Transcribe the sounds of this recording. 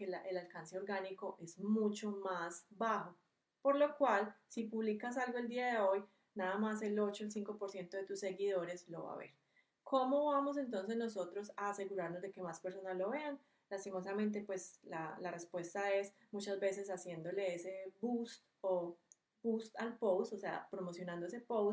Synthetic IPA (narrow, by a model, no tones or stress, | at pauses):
elaʔelalkanse̞oɾɡaniko̞ʔe̞zmut͡ʃo̞masbaho̞ | po̞ɾlo̞kwalsipuβlikas̬alɡo̞eld̪iaðe̞o̞j | naðamas̬e̞lo̞t͡ʃoels̬iŋko̞po̞ɾsje̞nt̪oðet̪usːe̞ɣiðo̞ɾe̞slo̞̰βa̰βe̞̰ɾ | kʰo̞mo̞βamo̞s̬e̞nt̪̬o̞ns̬e̞zno̞so̞t̪ɾo̞saːse̞ɣuɾaɾnozd̪e̞ke̞maspeɾso̞nazlo̞βe̞an | last̪imo̞s̬amẽnt̪̬e̞pwe̞slalarespwe̞st̪ae̞s | mut͡ʃazbe̞se̞sasje̞nd̪o̞le̞ese̞bust̪ | o | bust̪alpowst̪ose̞a̰pɾomo̞sjonãnd̪oesepow